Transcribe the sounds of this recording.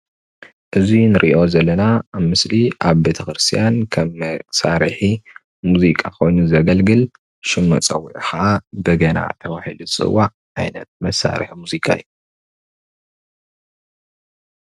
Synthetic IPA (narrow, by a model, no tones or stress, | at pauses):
ʔɨzinɨɾʔiʔo̞zɐlːɐnaːβmɨsliʔaβbe̞t̪ʰɐxɨɾɨst̪ʰijankʰɐmːɐsaɾħi | muzikʼakʰo̞jnuzɐɡɐlɡɨl | ʃɪmːɐ̰t͡sʼɐwːiʕixɐʔabɨɡɐna̰t̪ʰɐwaħiluɨt͡sʼɨ̰wːaʕ | ʕajnɐ̰t̪̚mɐsa̰ɾḭħmuzikʰa̰ḭju